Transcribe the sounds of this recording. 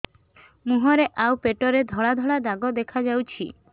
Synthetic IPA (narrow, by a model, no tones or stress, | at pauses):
muɦɔɾeʔawpeʈɔɾed̪ʱɔɭad̪ʱɔɭad̪aɡɔd̪ekʰad͡ʒawt͡ʃʰḭ